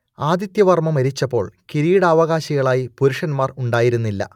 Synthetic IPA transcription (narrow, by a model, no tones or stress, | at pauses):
aːd̪jit̪jɐʋɐrmɐmɐɾit͡ɕːɐpːo̞̰ːɭkiɾijɽɐːʋɐɣaːɕiɣɐɭaːjipuɾuʂɐnmaːruɳɖaːjiɾunːilːɐ̰